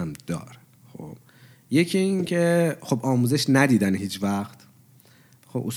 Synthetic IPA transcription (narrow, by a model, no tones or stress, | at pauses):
æmd̪ɒ̰ːɾ | xo̰b | je̞cʰiincʰe̞xo̞bɒːmuːze̞ʃnæd̪iːd̪ænɦiːt͡ʃʰvæxt̪ | xobʔṵs